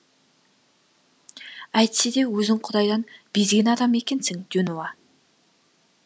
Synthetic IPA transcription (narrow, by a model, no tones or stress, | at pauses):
æjt̪sɪd̪ewɵzɪŋqʰʊd̪ɑjd̪ɑnb̥ezɡʲɪnɑd̪ɑmekʲensɪŋd̪̥ynowɑ